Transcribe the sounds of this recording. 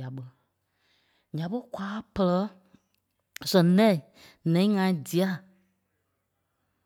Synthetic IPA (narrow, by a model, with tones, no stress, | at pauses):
a˨ɓə˧ | ɲã˨˦ɓə˦kwaː˨˦pə˧lə˧˦ | sə̃˨lɛ̃˦˨ | nɛ̃˨ĩ˦ŋã˧˨ĩ˦di˨a˦˨